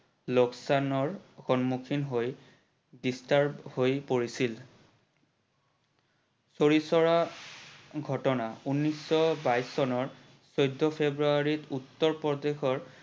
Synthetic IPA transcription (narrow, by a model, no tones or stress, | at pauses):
loksanɔɹxɔnmukʰinɦoj | distaɹbhojpoɹisil | soɹisɔɹa | ɡʱɔtɔnaunːisːɔbajsɔnɔɹ | sojdʱːɔpʰebɹuaɹitutːɔɹpɔdexɔɹ